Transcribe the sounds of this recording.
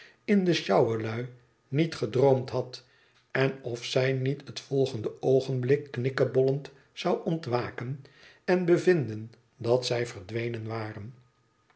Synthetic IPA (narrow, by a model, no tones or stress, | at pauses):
ɪndəʃɑwəlœɥ | nitχədrowmtɦɑt | ɛnɔfsɛjnitɦətfɔlˠχəndəowχənblɪkːnɪkəbɔlənt | sɑwʔɔntʋaːkən | ɛnbəvɪndən | dɑtsɛjvəɹdʋejnənʋaːrən